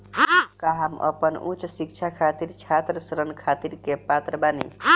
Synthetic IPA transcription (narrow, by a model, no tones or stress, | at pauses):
kaɦamə̰pənʔṵt͡ʃsik̚t͡ʃʰakʰat̪iɾt͡ʃʰat̪ɾəsɾənkʰat̪iɾkepat̪ɾəbanḭ